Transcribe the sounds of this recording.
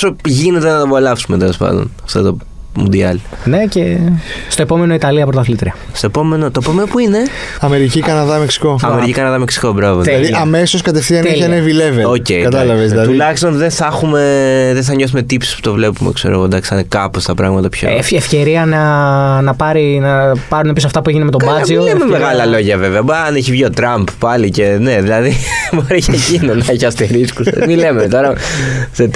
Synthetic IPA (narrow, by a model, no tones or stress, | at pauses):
oso̞ʝine̞t̪enɐt̪ɐpolɐfsume̞t̪e̞lo̞spɐ̰nd̪o̰nɐft̪o̰t̪o | mṵnd̪iɐlne̞cest̪o̞epo̞me̞no̞it̪ɐliɐpɾot̪ɐθlit̪ɾiɐ | st̪oepo̞me̞not̪oepo̞menopuine̞ɐme̞ɾicikɐnɐðɐmeksi̥ko̞ɐmeɾicikɐnɐðɐmeksi̥kobɾɐvoɐðiɐme̞soskɐt̪efθiɐneɐnevileveoce̞ikɐt̪ɐlɐvezd̪ɐt̪ulɐçist̪onðenθɐxume̞ðeθɐɲo̞s̬ume̞t̪ipsi̥spu̥t̪o̞vle̞pumḛkse̞ɾo̰ɣod̪ɐksɐnekɐpost̪ɐpɾɐɣmɐt̪ɐpço̰fefce̞ɾiɐnɐnɐpɐɾinɐpɐɾunepijosɐft̪ɐpueʝinemet̪omɐzimolememeɣɐlɐlo̞ʝɐveveɐbɐneçivʝio̞t̪ɾɐmppɐlicene̞ðilɐðimɐɾeçecinonɐeçɐst̪eɾiskusḛmilemet̪o̞ɾɐset̪